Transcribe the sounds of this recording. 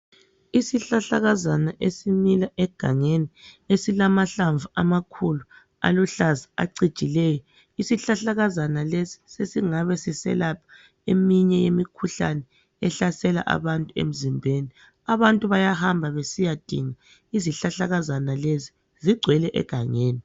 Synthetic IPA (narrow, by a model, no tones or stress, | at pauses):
isiɬaɬaɣazanaʔesimilaʔɛɡ̥ʱaŋeniesilamaɬaɱvuamakʰulu | a̰lɔɬazia̰ǀid̥t͡ʃʼilɛjɔ | isiɬaɬaɣazanalesi̥sesiŋaβɛsisɛ̰lapʰḁ | emiɲɛjemikʰuɬa̰nɛ | ɛɬasɛla̰ʔa̰βantʼuḛm̩zimbʱeːni | aβantʼuβajahambʱaβesijad̥ʱiŋa | iziɬaɬaɣazanalezi̥ | ziɡ͡ǀʱwɛlɛʔɛ̰ɡ̥ʱa̰ŋeːni